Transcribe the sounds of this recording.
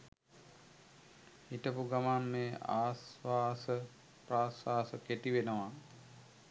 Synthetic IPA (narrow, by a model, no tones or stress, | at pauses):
iʈəpuɡamamːeːa̰ːsʋaːsə | praːsʋaːsəket̪iʋenəʋa